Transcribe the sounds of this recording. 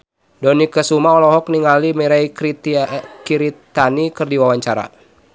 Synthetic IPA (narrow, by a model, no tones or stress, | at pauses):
dɔnikəsumaɔlɔɦɔk̚niŋalimiɾaikɾit̪ikiɾit̪anikɨrdiwawaɲt͡ʃaɾa̰